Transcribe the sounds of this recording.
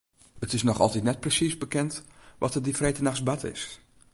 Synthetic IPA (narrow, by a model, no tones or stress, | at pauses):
ətɪsnɔxɑ̰lˠtitnɛt̚prəsisbəkɛntʋʔɔ̰tədifrejtənaxsbatʰɪ̰s